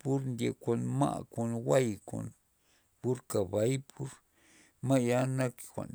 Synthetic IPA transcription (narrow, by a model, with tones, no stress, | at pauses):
pu˦ɾnd̪ʲe˨kʷa˨nma̰˦ʔku˨nwa˦jko̰˨n | pu˦ɾka˨ba˧˦jpʰu˦ɾ | ma˦ja˦na˦kkʷa̰˨n